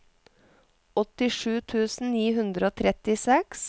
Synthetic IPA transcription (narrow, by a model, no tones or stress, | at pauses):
ɔt̪ɪʂʉːt̪ʰʉːsn̩niːɦʉnd̪ɾəoːt̪ʰɾɛt̪ɪsɛks